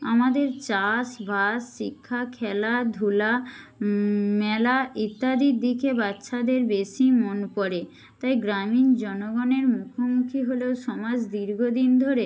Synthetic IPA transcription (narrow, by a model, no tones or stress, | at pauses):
amad̪eɾt͡ɕaʃbʱasːikʰːakʰɛlad̪ʱula | mɛlait̪ːad̪iɾd̪ikʰebatːʃʰad̪eɾbeʃimonpɔɾe | t̪ajɡɾamind͡ʑɔnoɡɔneɾmukʰomukʰiɦolewʃɔmad͡ʑd̪iɾɡʱod̪ind̪ʱoɾe